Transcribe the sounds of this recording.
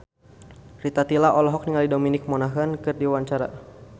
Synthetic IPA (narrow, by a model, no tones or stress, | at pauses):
rit̪at̪ilaʔɔlɔɦɔk̚niŋalidominɪk̚mɔnaɦankɨrdiwaɲt͡ʃaɾa